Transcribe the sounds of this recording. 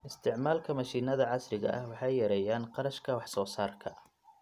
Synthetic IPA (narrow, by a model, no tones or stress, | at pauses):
ʔɪst̪ʰɪʕmaːlkʰɐmɐʃiːnɐðɐʕɑsrɪɣɐ̰ʔɐ̰hwɑħɑjːɐɾɛjaːnqɑɾɐʃkʰɐwɑħsɔːsaːrkʰɐ